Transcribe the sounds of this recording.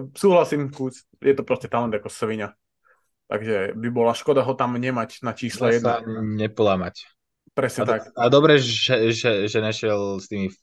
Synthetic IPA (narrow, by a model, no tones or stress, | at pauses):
suːɦlasiːmkuːs | jɛt̪ɔpɾɔscɛt̪alɛnd̪akɔsʋiɲa | t̪a̰ɡʒɛbibɔlaʃkɔd̪aɦɔt̪amɲɛmacnat͡ʃiːslɛjɛd̪aɲɲɛpɔlamac | pɾɛsɲɛt̪akad̪ɔbɾɛʒɛʒɛʒɛɲɛʃɪɛlst̪iːmi